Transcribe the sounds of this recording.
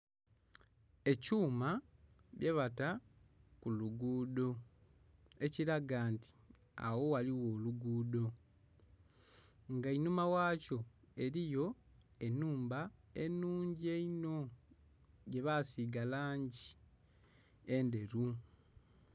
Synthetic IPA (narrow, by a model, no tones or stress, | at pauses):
e̞cuːmaβjʔe̞βatakuluɡuːdo̞ | e̞ciɾaɡaːnti̥ | a̰wo̞waliwo̞ːluɡuːdo̞ | ŋɡainumawaːco̞e̞ɾijo̞ | e̞nːuːmbae̞nuːɲɟie̞ino̞ | ɟe̞βasiɡalaːɲɟi | ende̞ɾu